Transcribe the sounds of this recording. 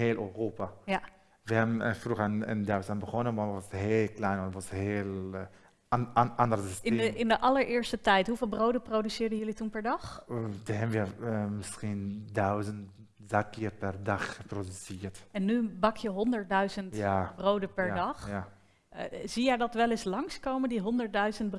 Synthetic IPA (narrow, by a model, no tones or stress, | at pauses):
eːløroːpaja | ʋəɛbənfruɣanə̰ndawsanbəχɔnənʋɔnʋɑsɦeːlklɛjnɔnətʋɑsheːl | andərəəstɪnəɪndəʔɑləɹʔɪːɹstətɛjtɦuvɪːlˠbrowdəprowdysɪːɹdəjɵlitunpɛɹdɑχdəhɛnʋəmɪskindœɥzənt | zakːiərpɛrdɑχəprodysɪərtɛnːybɑkʰjəɦɔndəɹt̚dœɥzəntjabrowdəpɛɹdɑχa | zijɛjdɑtʋɛlɪslɑŋskowməndiɦɔndəɹt̚dœɥzəntb